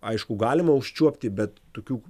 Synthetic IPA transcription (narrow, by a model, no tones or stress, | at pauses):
ɐɪʃkʊɡɑːlʲɪmɐʊʃʲt͡ʃʲuɔpʲt̪ʲɪbʲɛt̪ːoːkʲuː